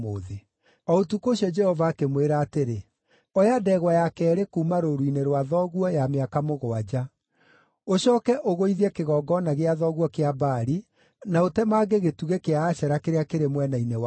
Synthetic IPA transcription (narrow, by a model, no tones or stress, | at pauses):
oːðe | ɔotukoɕiɔd͡ʒɛhɔvaːkemweɾaːteɾe | ɔjadɛɣwajakɛːɾekumaɾoɾuineɾwaðɔɣwɔjameakamoɣoad͡ʑa | oɕɔːkɛʔoɣoiðiɛkeɣɔːɡɔnaɣeaðɔɣwɔkeabaːɾi | naotɛmaːɡeɣetuɣekeaːɕɛɾakeɾeakeɾemwɛnainewa